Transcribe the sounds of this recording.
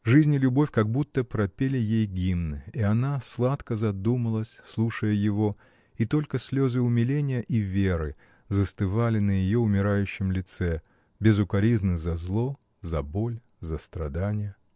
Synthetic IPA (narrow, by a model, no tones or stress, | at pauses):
ʐɨzʲnʲɪlʲʊbo̞fʲkɐɡ̚but̪ːəpɾɐpʲelʲɪjejɡʲimnɨiɐnaslˠat̪kəzɐd̪uməlˠəsʲslˠuʂəjəjɪvo̞ | it̪o̞lʲkəsʲlʲo̞zɨʊmʲɪlʲenʲɪjəʔivʲeɾɨ̰ | zəst̪ɨvalʲɪnəjɪjo̞ʊmʲɪɾajʉɕːɪmlʲɪt̪sɛ | bʲɪzʊkɐɾʲiznɨzɐzlˠo | zɐbo̞lʲ | zəst̪ɾɐd̪anʲɪjə